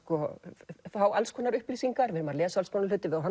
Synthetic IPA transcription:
kɔfawalskʰɔːnaɾʏhplisiŋkaɾvɪɾmaɾlɛːsalskʰɔnalʏːt̪ɪvɪðawɦa

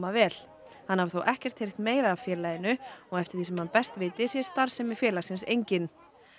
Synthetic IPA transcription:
mavɛːl | hanːhavθowʔɛhcɛr̥t̪hejr̥t̪meːjɾaːvfjɛːɾlaːjɪnʏɔɣɛft̪ɪɾ̥θisɛmhanpɛst̪vɪːt̪ɪsjɛst̪aɾ̥sɛmɪfjɛːlḁsɪnsejɲcɪn

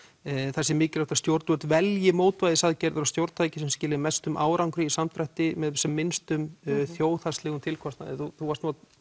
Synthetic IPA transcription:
θɛsːɪmɪːcɪlaht̪ast̪jowɾt̪vœt̪vɛljɪmoːwt̪vajðɪsaðcɛɾðʏɾawst̪jowɾt̪ʰaːjcɪ̥sɛmscɪːlɪðmɛst̪ʏmʔaːwɾawŋkɾɪisamt̪ʰɾajht̪ɪmɛðsɛmːɪnst̪ʏmθjoːwθast̪lɛɣʏmt̪ʰɪlkʰvɔst̪na̰ðɪθuθuvaɾst̪ua

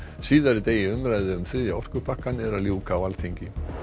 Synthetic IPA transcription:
siːðaɾɪt̪eːjɪʏmɾajðɪʏmθɾɪːðjaɔr̥kʏpʰahkːanɛɾaljuːwkawalθiɲcɪ

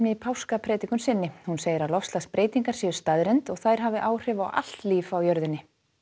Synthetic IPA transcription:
nɪpʰawskapʰɾɛːt̪ikʏnsɪnːɪhunseːjɪɾalɔfslaspɾʔeːjt̪iŋkaɾ̥sɛːʏ̥st̪aðɾɛnt̪ɔɣθajɾ̥ɦaːvɪʔaːwr̥ɛva̰wʔa̰l̥t̪liːfawjœɾðɪnːɪ

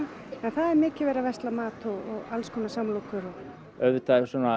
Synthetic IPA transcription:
ɛnθaðɛɾmɪːcɪvɛːɾavɛst̪lamaːt̪ɔɣɔɣalskʰɔːnasamlowkʏɾɔɣ | œɥvʏt̪asɔna

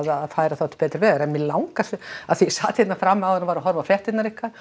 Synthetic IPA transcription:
ðaðfaːjɾaθawt̪ɪ̥pɛːt̪ɾɪɾvɛːðaɾɛnmɪlawŋkaa̰ðθisaːt̪ʰhɪt̪nafɾamːawɛnːavaɾɔɦɔɾvaflɛht̪ɪt̪naɾɪhkva

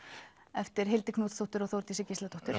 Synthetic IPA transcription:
ɛft̪ɪɾ̥ɦɪlt̪ɪkʰnuːt̪st̪owht̪ʏɾɔɣθowɾt̪isɪcɪslat̪ʰoht̪ʏɾ̥

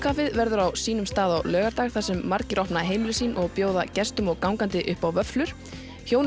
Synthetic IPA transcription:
kʰaːfɪðvɛɾðʏɾawsiːnʏmst̪aːðawlœːɣaɾt̪aːɣ̥θasɛmːaɾcɪɾʔɔhpnaɦejmɪlʏsiːnʔɔɣpjoːwðacɛst̪ʏmɔɣkawŋkant̪ɪʔʏhpawvœflʏɾ̥ | çjoːwn

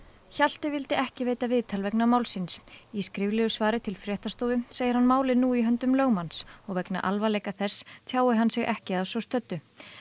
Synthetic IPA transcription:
çal̥t̪ɪvɪlt̪ɪʔɛhcɪveːjt̪avɪːðt̪ʰalvɛknamaːwlsɪnsiskɾɪvlɪʏsvaːɾɪt̪ʰɪlfɾjɛːht̪ast̪oːwvʏseːjɪɾ̥hanmaːwlɪnuiɦœnt̪ʏmlœːɣmansɔɣvɛkna̰ʔalvalejkaθɛsːt̪ʰjaːwɪɦansɪɣʔɛhcɪaðsɔst̪œt̪ːʏ

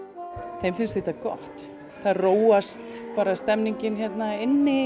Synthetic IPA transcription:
θejmfɪnst̪θeht̪akɔ̰ht̪ | θaðroːwast̪paːɾast̪ɛmniɲcɪnçɛt̪naɪnːɪ

